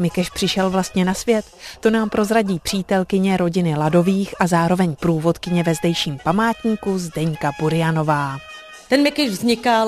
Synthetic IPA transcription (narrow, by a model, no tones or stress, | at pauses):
mɪkɛʃpr̝̥ɪʃɛlvlast̪ɲɛnasvjɛt̪ːo̞naːmpɾo̞zɾaɟiːpr̝̥iːt̪ɛlkɪɲɛɾo̞ɟɪnɪlado̞viːxʔazaːɾo̞vɛɲpɾuːvo̞t̪kɪɲɛvɛzdɛjʃiːmpamaːt̪ɲiːkuzdɛɲkapuɾɪjano̞vaː | t̪ɛnmɪkɛʒvzɲɪka